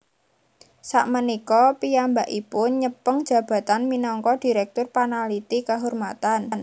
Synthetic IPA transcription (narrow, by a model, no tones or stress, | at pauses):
sa̰ʔmənikɔpijambaʔipʊnɲəpəŋd̥ʒ̥ä̤b̥ä̤t̪anminɔŋkɔd̥i̤ɾɛk̚t̪ʊrpanalit̪ikəɦormat̪ann